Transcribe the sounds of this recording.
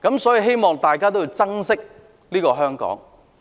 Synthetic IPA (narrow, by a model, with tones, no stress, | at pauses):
kɐ˨˥msɔː˨˥ji˨˧ɦe˥jmɔː˨ŋt̪aː˨jkaː˥t̪o˥wji˧wt͡sɐ˥ŋsɪ˥k̚ | niː˥kɔː˧ɦœː˥ŋkɔ̰ː˨˥ŋ